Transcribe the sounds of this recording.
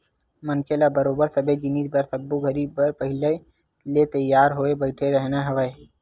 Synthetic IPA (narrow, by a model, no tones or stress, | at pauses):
mənkʰelabəɾoːbəɾsɐbed͡ʒɪniːsbɐɾsɐbːoɡʱəɾibbəɾpəɦɪle | let̪ɐjːaːɾɦoːebəɪʈʰeɾəɦnaɦɐʋəe